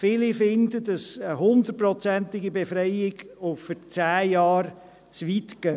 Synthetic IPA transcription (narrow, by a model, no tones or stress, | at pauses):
fɪlɪfɪndədɑsəɦʊnd̪ət̚prɔt͡sæntɪɡibefɾɛjɪɡofət͡sæːjɑːr | t͡sʋit̪kœ